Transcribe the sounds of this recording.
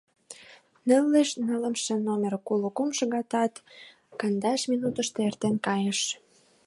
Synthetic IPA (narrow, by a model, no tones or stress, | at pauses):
nə̆lːeʃnə̆lə̆mʃĕnomʲerkuləkumʃɤɣɑt̪ɑt̪ | kɑnd̪ɑʃminut̪ə̆ʃt̪eert̪enkɑjeʃ